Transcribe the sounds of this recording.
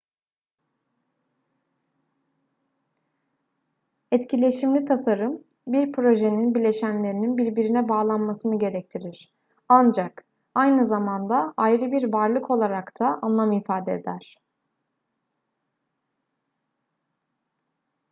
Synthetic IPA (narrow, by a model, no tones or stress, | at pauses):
ɛt̪cʰilʲe̞ʃimlʲit̪ʰasaɾɯm | biɾpʰɾo̞ʒe̞ninbilʲe̞ʃænlʲe̞ɾininbiɾbiɾinɛbaːlˠanmasɯnɯɟe̞ɾɛc̚t̪ʰiɾiɾ̥ | and͡ʒak | ajnɯzamand̪aajɾɯbiɾvaɾlˠɯkʰo̞lˠaɾakt̪ʰaʔanlˠamifaːd̪eːd̪æɾ̥